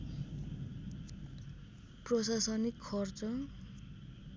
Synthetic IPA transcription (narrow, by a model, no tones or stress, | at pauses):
prʌsasʌnikʰːʌrt͡sʌ